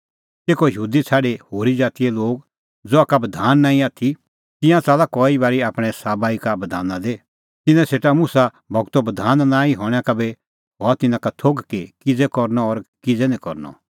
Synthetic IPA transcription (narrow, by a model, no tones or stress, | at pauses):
teːkojəɦuːd̪it͡sʰaːɖehoːɾid͡zaːt̪ijɛloːɡ | d͡zoakabɐd̪ʱaːnːaːĩaːt̪ʰi | t̪ɪ̃jãt͡saːlakɔːibaːɾiaːpɽ̃ɛsaːbaːikabɐd̪ʱa̰ːnãd̪e | t̪ɪnɛ̃seːʈamʊsa | bɔɡt̪obəd̪ʱaːnnãːĩɦɔ̃ːãkabɛ | ɦɔːat̪ɪnãkat̪ʰoɡkikɪd͡zɛkɔɾnɔːɾkɪd͡zɛnĩkɔ̰ɾnɔ̰